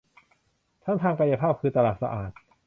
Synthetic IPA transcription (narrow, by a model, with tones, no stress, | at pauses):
t̪ʰa˥˩nt̪ʰaː˧ŋka˧ja˧pʰaː˥˩p̚kʰɯː˧t̪a˧laː˨˩t̪̚sa̰˧ʔa̰ː˨˩t̪̚